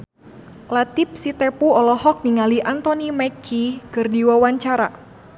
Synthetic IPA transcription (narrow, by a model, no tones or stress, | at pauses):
lat̪ip̚sit̪epuɔlɔhɔk̚niŋaliʔant̪ɔnimɛkikɨrdiwawaɲt͡ʃaɾa